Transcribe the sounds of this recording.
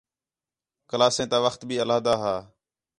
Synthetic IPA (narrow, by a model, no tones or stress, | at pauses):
kəlaːsẽːt̪aːʋəxt̪bʱiːəlaːd̪aːɦaː